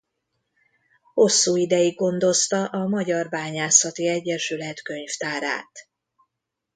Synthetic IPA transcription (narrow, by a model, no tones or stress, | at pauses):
ho̞sːuːid̪ɛjiɡ̚ɡo̞nd̪o̞st̪ɒʔɒmɒɟɒrbaːɲaːsɒt̪iɛɟːɛʃylɛt̪kø̞ɲft̪aːɾa̰ːt̪